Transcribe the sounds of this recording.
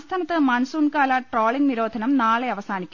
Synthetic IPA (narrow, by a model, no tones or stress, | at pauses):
st̪ʰaːnɐt̪ːɨmɐnsuɳkaːlɐʈroːɭiŋɡniɾo̞ːd̪ʱɐnɐmnaːɭeɐʋɐsaːnikʲːu